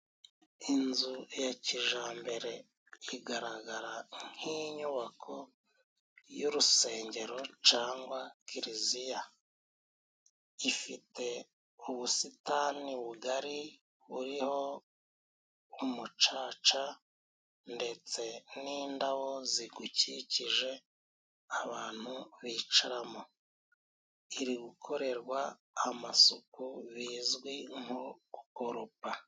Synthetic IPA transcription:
inzujaciʒaːmbe̞ɾe̞ | iɡaɾaɡaɾaŋ̥hiɲuβakʰo̞ | juɾuse̞ːɲɟe̞ɾo̞t͡ʃaːŋɡwakiɾizija | ifite̞ | uβusitaːniβuɡaɾi | βuɾiho̞ | umut͡ʃaːt͡ʃa | nde̞t͡se̞niːndawo̞ziɡuciciʒe̞ | aβaːn̥huβit͡ʃaɾamo | iɾiɡukʰo̞ɾe̞ɾɡwaː | masukuβiːzɡwiŋukoɾupa

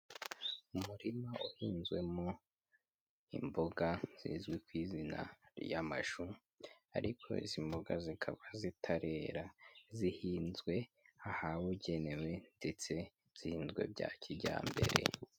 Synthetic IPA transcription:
umuɾimaʔuhiːnzɡwe̞mo | ḭmboɡaz̥ḭzɡwikwiːzina̰ɾjamaʃu | a̰ɾʔikʰo̞̰ḭzimboɡazikʰaβazitʰaɾe̞ɾazihiːnzɡwe̞ahawuɟe̞ne̞we̞nde̞t͡se̞ | z̥ihiːnzɡwe̞̰bja̰ːcʰiɟa̰ːmbe̞̰ɾe̞̰

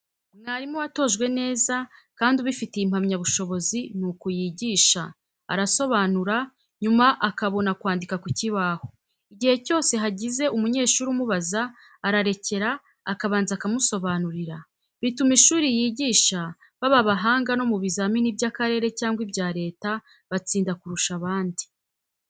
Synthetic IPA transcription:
naɾimuwato̞ʒɡwe̞ne̞ːzakaːndiβifiteim̥hamɲaβuʃo̞βo̞zinukujiɟiːʃa̰ː | ɾaso̞βanuɾa | ɲumaʔakaβo̞nakwaːndikakuciβaho̞ | iɟihe̞co̞ːse̞ɦaɟize̞ʔumuɲe̞ːʃuːɾumuβazaː | ɾaɾe̞ce̞ɾaː | kaβaːnzakamuso̞βanuɾiɾa | βitumiʃuːɾijiːɟiːʃa | βaβaβaɦaːŋɡano̞muβizaminibɟakaɾe̞ːɾe̞caːŋɡwibɟaːɾe̞ːta | βat͡siːndakuɾuʃaβaːndi

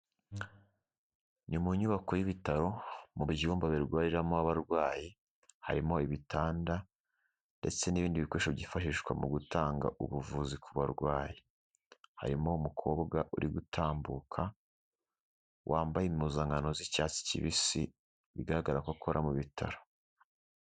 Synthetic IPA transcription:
nimuɲuβakojiβitaɾo̞muβɟuːmbaβiɾɡwaːɾiɾamoaβaɾɡwaːji | ha̰ɾimo̞iβitʰaːnda | nde̞̰t͡se̞niβiːndiβikwoʃoβɟifaʃiʃkwa̰muɡutaːŋɡa̰ʔuβuvuːzikʰuβaɾɡwaːji | ha̰ɾimo̞umukʰo̞ːbɡaʔuɾiɡutʰaːmbukʰa | wʔaːmbajimuzaŋɡano̞zicaːt͡si̥cḭβisḭ | βḭɡaɾaɡaɾakwakʰo̞ɾʔamuβitʰa̰ɾo̞̥

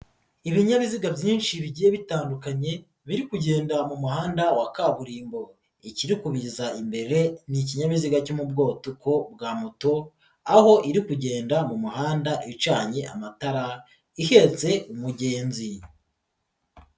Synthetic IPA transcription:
iβiɲaβiziɡavjiːnʃiβiɟije̞βitaːndukaɲe̞ | βiɾikuɟe̞ːndamumuhaːndawakaβuɾiːmbo̞ | iciɾikuβizaimbe̞ɾe̞nic̬iɲaβiziɡacomubɡo̞ːtuko̞bɡaːmuto̞ | aho̞ʔiɾikuɟe̞ːndamumuhaːndaʔit͡ʃaːɲeʔa̰mataɾa | ihe̞t͡se̞umuɟe̞ːnzi

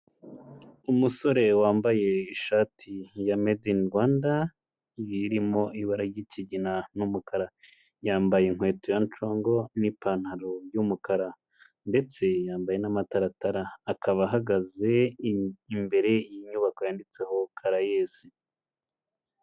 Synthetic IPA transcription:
umuso̞ɾe̞waːmbaje̞iʃaːtʰijamedinɾɡwaːnda | jiɾimo̞iβaɾaɾɟiciɟinanumukʰaɾa | jaːmbajeŋ̥hwe̞ːtojant͡ʃo̞ːŋɡo̞nipaːn̥haɾoɾjumukaɾa | nde̞t͡se̞jaːmbaje̞namataɾataɾaːkʰaβaɦaɡaze̞ː | mbe̞ɾe̞ijiɲuβako̞jaːndit͡se̞ho̞kʰaɾajeːsi

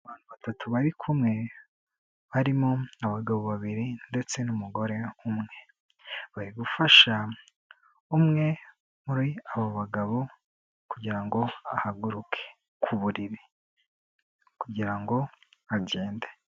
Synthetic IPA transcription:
aβaːn̥huβatatʰuβaɾikʰumŋe̞ | βaɾimoaβaɡaβoβaβiɾinde̞t͡se̞numuɡo̞ɾe̞umŋe̞ | βaɾiɡufaʃa | umŋe̞ | muɾiaβo̞βaɡaβo | kuɟiɾaŋɡo̞ahaɡuɾukʰe̥ | kʰuβuɾiɾi | kuɟiɾaŋɡo̞aɟe̞ːnde

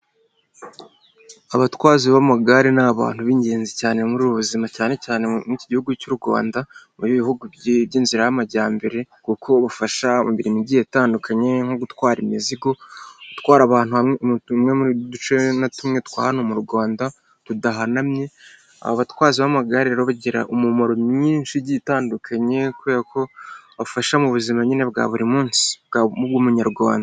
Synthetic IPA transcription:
aβatwaːziβamaɡaɾinaβa̰ːn̥huβiːɲɟe̞ːnzicaːne̞muɾuːβuβuzimacaːne̞caːne̞miciɟihuɡucuɾuɡwa̰ːndamujiβihuɡubɟiːnziɾajamaɟaːmbe̞ɾe̞kukʰo̞βafaʃa̰muβiɾimiɟije̞taːndukʰaɲe̞ŋho̞ɡutwaːɾimiziɡo̞utkwaːɾaβaːn̥uhamŋe̞mudut͡ʃenatumŋe̞tkwa̰ːhanomuɾɡaːnda | tudaɦanamɲe̞ | a̰hoβatwaːziβamaɡaɾiɾeɾoβaɟiɾa̰ʔomumoɾo̞mɲiːnʃiɟitaːndukʰaɲe̞kuɾiːɾako̞βaβafaʃamuβuzimaɲine̞βɡa̰ːβuɾimuːnsi̥bɡamubɡuːmuɲaɾɡwa̰ːnda

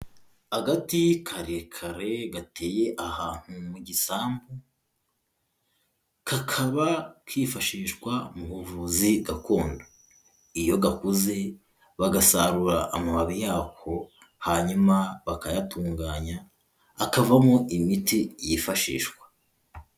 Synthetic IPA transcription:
haɡatikʰaɾekʰaɾe̞ɡatʰe̞ːje̞ʔahaːn̥humuɟisaːmbu | kakʰaβakwifaʃiːʃkwamuhuvuziɡako̞ːndo | ijo̞ɡakuze̞ | βaɡasaɾuɾaʔːmaβaβijaːkʰo̞ | haɲumaβakajatʰuːŋɡaːɲaː | kavamoʔimitijifaʃḭːʃkwḁ

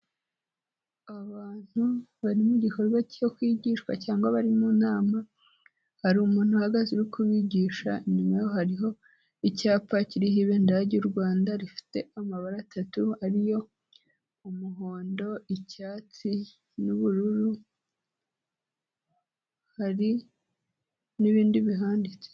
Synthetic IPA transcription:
aβaːn̥huβaɾimuɟikoɾβacijokwiːɟiːʃwa̰caːŋɡaβaɾimunaːma | haɾumuːn̥huhaɡaziɾukʰuβiɟiːʃa̰nimwejo̞haɾiɦo̞ | icaːpaciɾihiβe̞ndaɟuɾɡwaːndaɾifi̥te̞amaβaɾatʰatuhaɾijo̞ | umuɦo̞ːndo̞icaːt͡si | nuβuɾuɾu | haɾi | niβiːndiβiɦaːndit͡se̥

